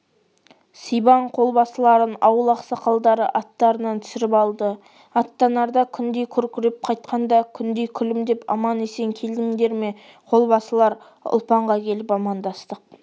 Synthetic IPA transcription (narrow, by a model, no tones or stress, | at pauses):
sijbɑɴqʰo̞lˠbɑsəlˠɑɾənɑwəlˠɑqsɑqʰɑlˠd̪ɑɾə̰ʔɑt̪ːɑɾənɑnt̪ʰʏ̥sɪɾɪpɑlˠd̪ə | ɑt̪ːɑnɑɾd̪ɑkʲʰʏnd̪e̞jkʲʰɵɾkʲʰɪɾɪp̚qʰɑjt̪qɑnd̪ɑkʲʰʏnd̪e̞jkʲʰʏlɪmd̪e̞pɑ̰mɑnese̞ŋkʲʰe̞ld̪ɪŋd̪e̞ɾme̞ | qʰo̞lˠbɑsəlˠɑɾ | ʊ̰lˠpɑɴʁɑkʲʰe̞lɪpɑmɑnd̪ɑst̪əq̚